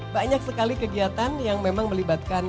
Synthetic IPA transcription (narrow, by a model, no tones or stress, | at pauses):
baɲak̚səkalikəɡiat̪anjaŋmemaŋməlibat̪̚kan